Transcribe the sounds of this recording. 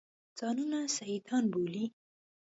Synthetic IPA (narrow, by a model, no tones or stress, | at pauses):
d͡z̥ɑnunasajid̪ɑnboli